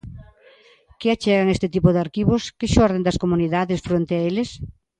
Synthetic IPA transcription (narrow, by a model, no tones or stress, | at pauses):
kɪat͡ʃɛɣaŋest̪ɪt̪ipʊðaɾkiβʊskɪʃɔɾðend̪ɐskomuniðaðɪsfɾont̪eaelɪs